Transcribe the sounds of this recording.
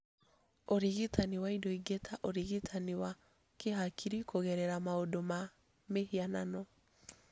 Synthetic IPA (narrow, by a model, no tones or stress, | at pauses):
oɾiɣitaniwaidɔiɡetʰaʔoɾiɣitʰaniwa | keɦakʰiɾikʰoɣɛɾɛɾamaodoma | mehiananɔ